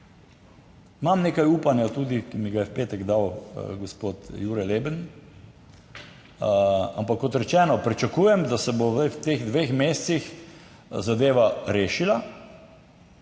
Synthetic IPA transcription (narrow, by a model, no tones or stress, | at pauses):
imamneːkajuːpanjat̪uːd̪ikimiɡajɛwpeːt̪ɛɡd̪awɡospoːt̪juːɾɛlebən | a̰mpakːɔt̪ɾɛt͡ʃɛːnɔpɾit͡ʃakujɛmd̪asɛbowwt̪eɣd̪ʋexmeːst̪six | zad̪eːʋaɾeːʃila